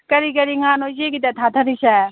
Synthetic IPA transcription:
kɐɾikɐɾiŋaːnod͡ʒekit̪ɛt̪ʰat̪ʰɐɾiʃa

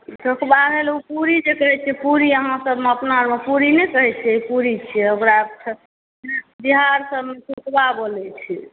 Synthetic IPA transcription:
sʰukbaɾelupuɾid͡ʒekəɦɛt͡ʃʰɛpuɾiəɦãsəbmeəpnaɾmepuɾinɛkəɦɛt͡ʃʰɛipuɾit͡ʃʰɛəmɾa | biɦaɾsəbmetukbabolɛt͡ʃʰi

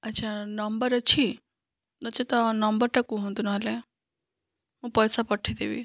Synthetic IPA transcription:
ətːt͡ʃʰanəmbəɾət͡ʃʰi | ət͡ʃʰet̪ɔnəmbəɾʈəkũɦõnd̪unaɦəle | ɦũpəjsapəʈʰid̪eʋḭ

